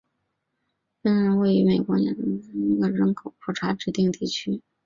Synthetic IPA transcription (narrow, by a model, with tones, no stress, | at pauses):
fə˥nɻə˧˥nwe˥˩ɪy˧˥me˨˩ɪkwɔ˧˥nɛ̰˨˧˩nə˧˥ə˥˩i˧˥ɡə˥˧ɻə˧˥nkʰo˨˩ʊkʰwɔ˥˩ʈ͡ʂʰa˧˥ʈ͡ʂɻ̩˥˧t̪i˥˧ŋt̪i˥˩t͡ɕʰy˥